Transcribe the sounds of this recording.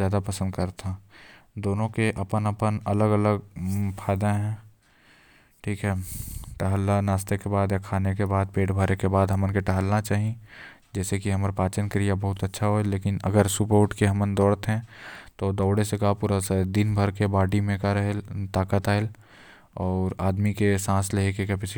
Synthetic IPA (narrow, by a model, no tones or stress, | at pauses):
jaːd̪apɐsə̃nd̪kəɾt̪ʰad̪oːnõkeʔɐpənəpənɐləɡələɡpʰaːɪd̪aɦɛ̃ | ʈʰiːkɦɛːʈɐɦəlːanaːst̪ekebaːd̪jakʰaːnekebaːd̪̚peːʈbʱəɾekebaːd̪ɦɐmənkeʈɐɦəlnat͡ʃaːɦid͡ʒɛːsekiɦɐməɾpaːt͡ʃənkɾijabɐɦʊt̪ətːʃʰaɦoeleːkɪnə̰ɡəɾsʊpoːʈkeɦɐmənd̪ɔːɽət̪ɦɛ̃t̪od̪ɔːɽesekapuːɾased̪ɪnbʱəɾkebaːɖimẽkaɾəɦelt̪aːkət̪aːel | ɔːɾaːd̪mikesãːsleɦekekɛpɪs